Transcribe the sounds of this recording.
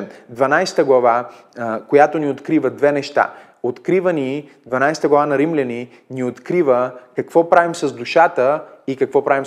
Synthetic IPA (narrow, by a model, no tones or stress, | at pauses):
md̪vɐnajsɛ̥t̪əɡlˠɐva | kojat̪oniot̪kɾivəd̪vɛnɛʃt̪a̰ | ot̪kɾivəni | d̪vɐnajsɛt̪əɡlˠɐvanɐɾimlʲɛni | niot̪kɾivəkɐkvɔpɾavimsɐzd̪uʃat̪əikɐkvɔpɾavim